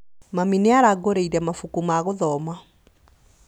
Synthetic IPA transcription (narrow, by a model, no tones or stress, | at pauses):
mamineaɾaɡoɾeiɾɛmafukumaːɣoðɔma